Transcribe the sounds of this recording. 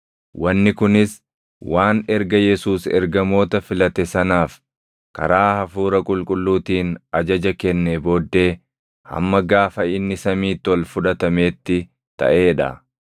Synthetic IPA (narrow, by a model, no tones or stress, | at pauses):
wʔɐnːɪkʊnɪs | waːnɛɾɡɐjɛsuːsɛ̰ɾɡɐmo̞ːt̪ɐfɪlɐt̪ɛsɐnaːf | kɐ̰ɾaːhɐfuːɾɐkʼʊlkʼʊlːuːt̪iːnɐd͡ʒɐd͡ʒɐkɛnːebo̞ːd̪ːe̞ː | hɐ̰mːɐɡaːfɐɪnːɪsɐmiːt̪ːɪɔlfʊᶑɐt̪ɐme̞ːt̪ːɪ | t̪ɐ̰ʔe̞ːᶑɐ̰